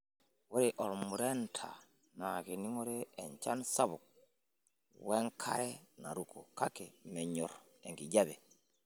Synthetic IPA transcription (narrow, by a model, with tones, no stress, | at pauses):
wo˦ɾi˨ʔɔ˨ɾmu˨ɾe˦ntʰa̰˨ | na˨ki˨ni˦ŋo˦ɾeː˦˨ɲt͡ʃa˦nsa˦βu˨k̚ | we˦ŋkʰa̰˦ɾe˦na˨ɾu˦kʰu˨ka˦ke˨me˨ɲɔ˨ɾ | e˨ŋɡi˨ɟa˦βe˨